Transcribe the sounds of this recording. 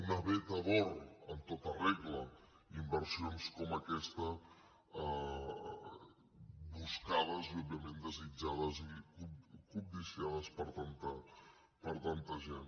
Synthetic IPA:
unəβɛt̪əβɔɾənt̪ot̪ərɛɣlə | imbəɾsionskɔməkɛst̪ə | buskaðəziɔbjiəmend̪əzid͡ʒaðəzikukub̚d̪isiaðəspəɾt̪ant̪ə | pəɾt̪ant̪əʒen

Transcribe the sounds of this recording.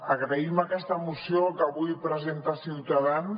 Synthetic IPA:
əɣɾəiməkɛst̪əmusiokəβujpɾəzent̪asiwt̪aðan

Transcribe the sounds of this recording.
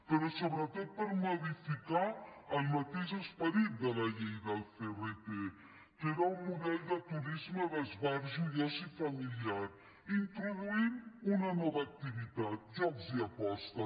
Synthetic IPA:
pəɾɔsoβɾət̪ot̪̚pəɾmoðifikaəlˠmət̪eʒəspəɾit̪̚d̪ələʎejðəlferet̪e | keɾaummuðɛlˠd̪ət̪uɾizməðəzβaɾʒuðazifɐmiliaɾ | int̪ɾuðuimunənɔβəːk̚t̪iβit̪at̪̚ʒɔbziəpɔst̪ə

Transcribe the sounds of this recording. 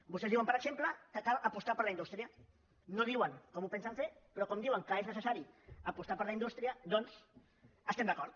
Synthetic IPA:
bustezðiwəmpəɾəksempləkəkalʔəpust̪apəɾləindust̪ɾiə | noð̞iwəŋkɔmupensaɱfepɾɔkɔmd̪iwəŋkəeznəsəsaɾiəpust̪aɾpəɾləind̪ust̪ɾiəd̪ɔns | əst̪emd̪akɔɾt̪̚

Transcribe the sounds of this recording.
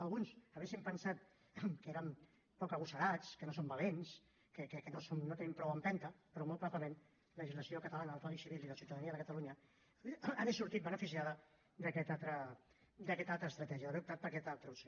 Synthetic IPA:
əlˠɣunsəβɛsimpənsat̪̚ | kəeɾəm | pɔkəɣusəɾat͡skənosombəlens | kəkəkənosonnot̪enəmpɾɔwəmpɛnt̪əpəɾɔmolt̪βat̪əmen | ləʒizləsiokət̪alanəðəlˠfpalisiβilˠiðəsiuwt̪əðəniəðəkət̪aluɲə | aðesuɾt̪it̪̚bənəfisiaðə | d̪əkɛt̪at̪ɾə | d̪əkɛt̪alˠt̪ɾəːst̪ɾɐt̪ɛʒiəəβeup̚t̪at̪̚pəɾkɛt̪alˠt̪ɾəuso

